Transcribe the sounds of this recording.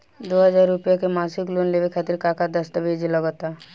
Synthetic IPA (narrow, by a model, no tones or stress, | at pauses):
d̪oːɦəd͡ʒaːɾːʊpjakemaːsɪklonleːʋekʰaːt̪ɪɾkaːkad̪əst̪əbʱed͡ʒeləɡot̪a